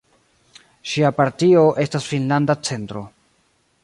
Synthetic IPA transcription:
ʃiapaɾtio̞ʔe̞stasfinlandat͡se̞ntɾo̞̰

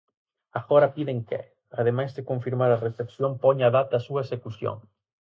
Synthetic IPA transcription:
axoɾapiðeŋkɛ̰ | að̞emajzdekoɱfiɾmaɾaresteksjompɔɲaðat̪asuaesekusjo̰ŋ

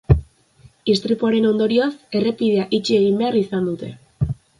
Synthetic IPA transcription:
ist̪ɾipuaɾe̞no̞nd̪o̞ɾio̞se̞re̞piðe̞aʔit͡ʃie̞ɣ̞imbe̞arisand̪ut̪e̞̰

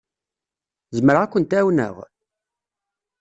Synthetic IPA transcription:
zəməɾækʷːənt̪æwnə̰ʁ

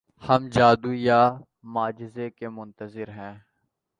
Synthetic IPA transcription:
hɐmd͡ʒaːd̪uja | maːd͡ʒɪzekemʊ̃nt̪əzɪɾɦɛ̃ː

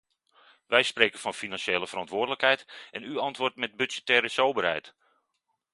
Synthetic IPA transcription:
ʋɛjspreːkənfɔnfinɑnsjeːləfərɑntʋʊːrdələkhɛjtɛnyɑntʋʊrtmɛt̚byzɛtɛːɾəsowbərɦɛ̰jt

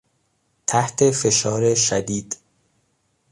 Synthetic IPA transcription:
t̪ʰæht̪ʰe̞fe̞ʃɒːɾeʃæd̪iːd̪̥

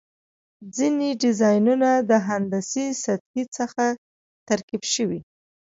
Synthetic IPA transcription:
d͡zineɖɪzɑjnunad̪əɦand̪asisat̪̚hit͡səxa | t̪aɾkibʃəwi

